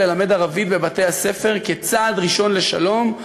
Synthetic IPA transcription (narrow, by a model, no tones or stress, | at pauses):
e̞lame̞d̪aʁavit̪be̞bate̞jhase̞fe̞ʁke̞t͡saːd̪ʁiʃo̞nle̞ʃa̰lo̞m